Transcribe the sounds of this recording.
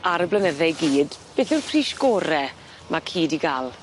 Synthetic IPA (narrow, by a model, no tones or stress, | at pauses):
aɾəblənəðɛjɡiːd̥b̥eːθɪrpʰriːʃɡoːɾɛ | mʔakʰiːdiɡalˠ